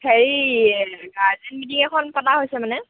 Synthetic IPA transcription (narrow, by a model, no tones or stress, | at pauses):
heɹi | ɡaɹzɛnmitiŋɛkʰɔnpataɦojsɛmanɛ